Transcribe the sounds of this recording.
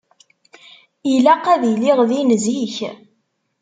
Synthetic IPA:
ilæqæðiliʁðinziç

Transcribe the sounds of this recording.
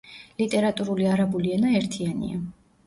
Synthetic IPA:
lit̪ʼɛɾat̪ʼuɾuliaɾabuliɛnaɛɾt̪ʰianḭa

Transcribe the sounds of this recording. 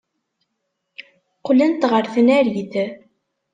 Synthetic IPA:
qlənt̪ʁəɾθənæɾiθ

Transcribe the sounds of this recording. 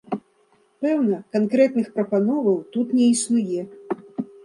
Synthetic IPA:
pɛwnɐkankɾɛt̪nɨxpɾɐpanɔvɐwt̪ut̪nʲɛisnujɛ

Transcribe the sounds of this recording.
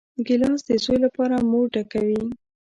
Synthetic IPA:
ɡɪlɑsd̪əsojlapɑɾamoɖakawi

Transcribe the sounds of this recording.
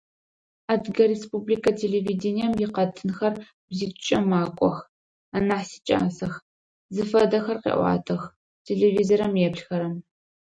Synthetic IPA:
adɡɐɾespublikʰɐtʰeːɮeviːdenijɛmjɪqɐtʰɨnxɐr | bzit͡ʃʼɐmaːkʷʼɔ̰x | anaħsi̥t͡ʃʼa̰ːsɐx | zɨfɐdɐxɐrqḛːʔʷɑ̰ːtʰɐx | tʰeɮevizoɾɐmjɛpɬxɐɾɐm

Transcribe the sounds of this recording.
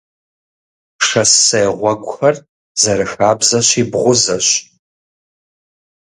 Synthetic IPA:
ʂɐsɐjʁʷɔɡʷʊxɐr | zɐɾɨxaːbzɐɕiːbʁʷʊzɐɕ

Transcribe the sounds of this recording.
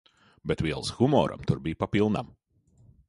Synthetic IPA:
bɛt̪vʲiɛlˠsɣ̥umɔ̰ːɾʔa̰mt̪uɾbʲijpapilˠna̰m

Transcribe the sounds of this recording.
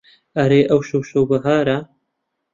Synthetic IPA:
ɐɾeːʔɐwʃowʃowbɨɦaːɾɐ

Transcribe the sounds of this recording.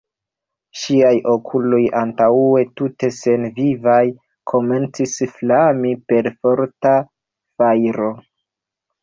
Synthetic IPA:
ʃiajʔo̞kʰulo̞jantaue̞tute̞se̞nvivaj | kʰo̞me̞nt͡sisflamipe̞ɾfo̞ɾta | fajɾo̞

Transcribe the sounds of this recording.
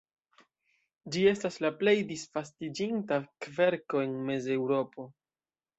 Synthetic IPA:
d͡ʒie̞staslaple̞jdisfastid͡ʒintakve̞ɾko̞e̞nme̞ze̞wɾo̞po̞

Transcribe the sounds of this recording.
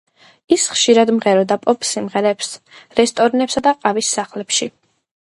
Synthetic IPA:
isχʃiɾad̪mʁɛɾɔd̪apʼɔpʰʼsimʁɛɾɛːps | ɾɛst̪ʼɔɾinɛpsad̪aqʼavisːaχlɛpʃi

